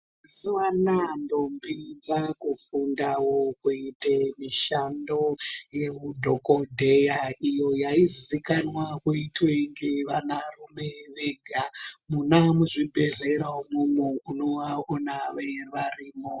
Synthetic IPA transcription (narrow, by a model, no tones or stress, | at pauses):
siwanando̞mbid͡zakufundawokuitemiʃando̞je̞ʋudʱokodʱe̞jaijo̞jaizizikanwakuitweŋɡeʋanarume̞ʋeɡʱamunamuʐibʱe̞ɮe̞ɾaumumouno̞waonaʋeʋariːmo